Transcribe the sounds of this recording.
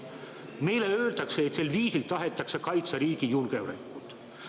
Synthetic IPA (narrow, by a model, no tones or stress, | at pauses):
me̞jle̞øːlt̪ɑkseːt̪selviːsilt̪ɑɦe̞t̪ːˑɑksekɑjt̪sɑɾiːɡ̥ijulkeɾekːˑult̪ˑ